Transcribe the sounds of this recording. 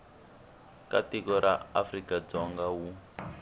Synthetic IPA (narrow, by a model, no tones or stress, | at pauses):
katikɔɾʔaafrikad͡zɔŋɡawu